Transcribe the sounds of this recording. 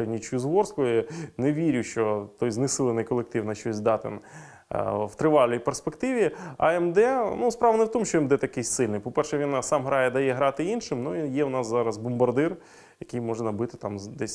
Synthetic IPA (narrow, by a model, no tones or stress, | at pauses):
jʊnʲit͡ʃʊjʊzʋɔrskʊinɛʋʲiɾʲʊʃt͡ʃɔt̪ɔjznɪsɪlˠɪnɐɪjkɔlˠek̚t̪ɪwnɐʃt͡ʃɔsʲd̪ɑt̪ɪ̰n | w̥t̪ɾɪʋɑlʲnʲijperspekt̪ɪʋʲiɐ̰ɛmd̪ɛnuspɾɑʋɐnɛwt̪ɔmuʃt͡ʃɔɛmd̪ɛt̪ɐkɪjsʲsɪlʲnɪjpɔpɛrʃɛʋʲinsɑmɦɾɑjɛd̪ɐjɛɦɾɑt̪ɪinʃɪmnuijɛwnɑszɑɾɐzbʊmbɐrd̪ɪr | jɐkɪjmɔʐɛnɐbɪt̪ɪt̪ɑmd̪ɛsʲ